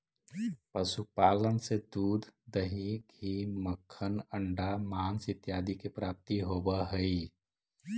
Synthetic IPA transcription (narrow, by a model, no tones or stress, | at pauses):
pəsupaːlənsed̪uːd̪ʱːəɦikiməkʰːənəɳɖamansɪt̪jaːd̪ikepɾap̚t̪iɦobəɦəi